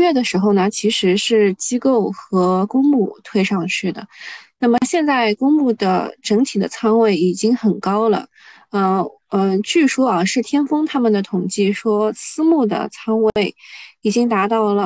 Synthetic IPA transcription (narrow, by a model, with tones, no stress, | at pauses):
ɥɛ˥˩d̪ə˩ʂɻ̩˧˥xo˧ʊnə˩t͡ɕʰi˧˥ʂɻ̩˧˥ʂɻ̩˥˩t͡ɕi˥ko˥˩ʊxɤ˧˥kʊ˥ŋmu˥˩t̪ʰwe˥ɪʂɑ˥˧ŋʂɻ̩˥˩d̪ə̰˩na˥˩mə˩ɕjɛ˥˧nt͡sa˥˩ɪkʊ˥ŋmu˥˩d̪ə̰˩ʈ͡ʂɤ˧˥ŋt̪ʰi˨˩d̪ə˦t͡sʰɑ˥ŋwe˥˩ɪi˨˩t͡ɕi˥ŋxə˨˩nkɑ˥ʊlə̰˨ | ə˥˧˩ | ə˧t͡ɕy˥˩ʂwɔ˥ɑ˧ʂɻ̩˥˩t̪ʰjɛ˥nfɤ˥ŋt̪ʰa˥mə˨nd̪ə˩t̪ʰʊ˨˩ŋt͡ɕi˥˩ʂwɔ˥sɹ̩˥mu˥˩d̪ə̰˩t͡sʰɑ˥ŋwee˥˩ɪi˨˩t͡ɕi˥ŋt̪a˧˥t̪ɑ˥˩ʊlə˩